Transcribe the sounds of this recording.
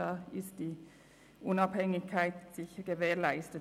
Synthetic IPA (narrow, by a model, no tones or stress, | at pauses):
ɑɪst̚d̥iː | ʔʊnɑphɛŋɪçkʰaɪtsɪçəɡəveːɐlaɪstə